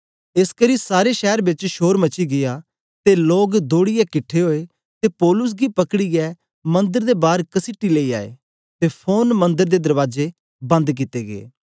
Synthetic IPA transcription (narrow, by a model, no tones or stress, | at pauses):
eskɐɾisaːɾeʃɛːɾbɪt͡ʃʃoːɾmɐt͡ʃiɡɪja | t̪eloːɡd̪oːɽijɛkɪʈʰːeɦoːe | t̪epoːlʊs̬ɡipɐkɽijɛ | mɐ̃nd̪əɾd̪ebaːɾkɐsɪʈːileːia̰ːḛ | t̪epʰoːnmɐ̃nd̪əɾd̪ed̪ɐɾʋaːd͡ʒe | bɐ̃nd̪k̬ɪt̪eɡḛː